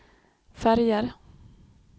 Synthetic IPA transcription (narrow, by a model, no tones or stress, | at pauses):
fæɾjəɾ